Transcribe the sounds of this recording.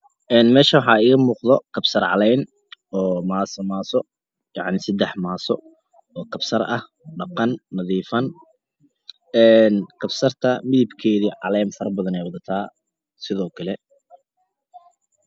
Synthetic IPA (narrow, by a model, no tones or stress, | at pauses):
ʔɛːnmɛːʃɐwɑħɑːiːɣɐmuːqðɔkʰɐbsɐrʕɑ̰lɛjn | ɔːmaːsɐmaːsɔ | jɑʕnɪsɐd̪ɛħmaːsɔ | ɔːkʰɐbsɐrɐh | ɖɑqɑnːɐðiːfɐn | ɛːnkʰɐbsɐrt̪ʰɐmɪðɪbkʰɛːðiːʕɑ̰lɛjnfɐrbɐðɐnɛjwɑðɐt̪ʰaː | sɪðɔːkʰɐlɛ